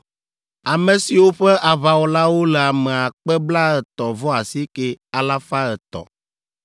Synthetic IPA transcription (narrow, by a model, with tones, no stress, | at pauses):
a˨me˨si˨wo˦ɸɛ˦ʔa˨βa˨wo˨la˦wo˦lɛ˨a˨mɛ˨a˨k͡pɛ˦bla˦ɛ˨t̪ɔ˨vɔ˦a˨si˦ke˦a˨la˦fa˦ɛ˨t̪ɔ̰˨